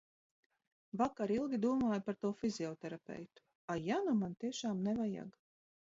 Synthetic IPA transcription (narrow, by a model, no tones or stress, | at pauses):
vakaɾilˠɡʲid̪uɔmaːjpaɾt̪uɔfiziɔt̪ɛɾapɛ̰jt̪u̥ | ajanumant̪iɛʃaːmnɛvaja̰ɡ